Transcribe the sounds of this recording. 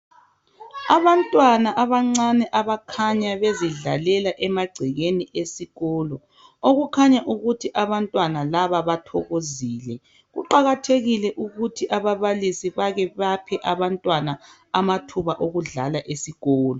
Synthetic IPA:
aβantʼwanaʔaβaŋ͡ǀanɛʔaβakʰaɲaβeziɮa̰lɛlaʔɛmaɡ͡ǀʱiɣeniʔesiɣɔlɔ | oɣukʰaɲaʔuɣutʰiʔaβantʼwanalaβaβatʰɔɣoziːlɛ | ɣṵǃaɣatʰeɣilɛʔuɣutʰiʔaβaβalisiβaɣɛβapʰɛʔaβantʼwana | amatʰuβaʔoɣuɮa̰laʔesiɣɔːlɔ

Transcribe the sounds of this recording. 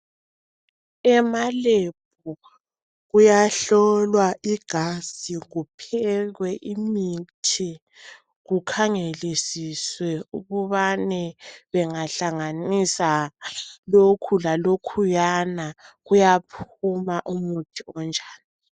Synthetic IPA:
ɛmaleb̥̚ʱu | ɣujaɬɔlwaʔiɡ̥ʱaziɣupʰɛɣwɛʔimitʰi | ɣukʰaŋelisiswɛuɣuβanɛβɛŋaɬaŋanisa | lokʰulalokʰujanaɣujapʰumaʔumutʰiɔnd͡ʒʱaːni

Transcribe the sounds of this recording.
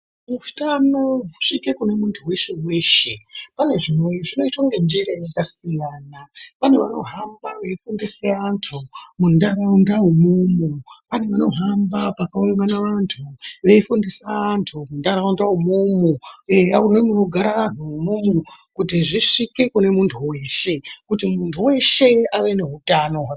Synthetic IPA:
mufu̥tanoɦuʂike̞kune̞muntʰuwe̞ʃe̞we̞ːʃe̞pane̞ʐimojoʐino̞itwaŋɡend͡ʒiɾajekasijaːnapaneʋano̞̰ɦambaʋeifundiseantʰumundaraundaumumupaneʋano̞ɦambapakauŋɡanaʋantʰuʋe̞ifundisaːntʰumundaɾaundaɦumumuaunonioɡʱaɾaʋan̤uumumukutiʐiʂike̞kune̞muntʰuwe̞ːʃe̞kutimuntʰuwe̞ʃe̞aʋe̞ne̞ɦutano

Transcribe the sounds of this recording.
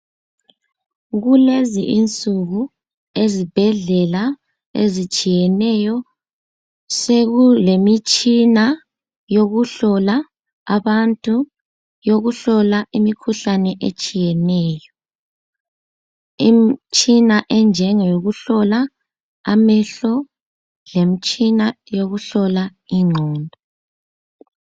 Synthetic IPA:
ɣuleziʔint͡sʼuɣu | ezib̥ʱɛɮɛla | ḛzit͡ʃʼijɛnɛjɔ | seɣulemit͡ʃʼina | joɣuɬɔla | aβantʼu | joɣuɬɔlaʔimikʰuɬanɛʔḛt͡ʃʼijɛnɛːjɔ | imt͡ʃʼinaʔɛnd͡ʒʱɛŋajoɣuɬɔla | amɛɬɔ | lemit͡ʃʼina | joɣuɬɔlaiŋ͡ǀʱɔːndʱɔ

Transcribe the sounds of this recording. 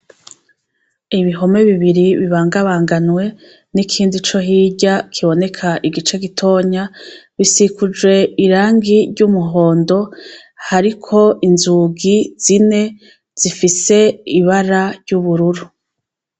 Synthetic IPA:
iβiɦo̞me̞βiβiɾiβiβaːŋɡaβaːŋɡanwe̞ | nikʰiːndit͡ʃo̞ɦiːɟakʰiβo̞ne̞kʰaʔiɡit͡ʃeɡitʰo̞ːɲaβisikud͡ʒwe̞iɾaːŋɡiɾɟumuɦo̞ːndo̞ | haɾikʰo̞inzuɡiz̥ine̞ | z̥ifise̞iβaɾaɾɟ̥uβuɾuɾu

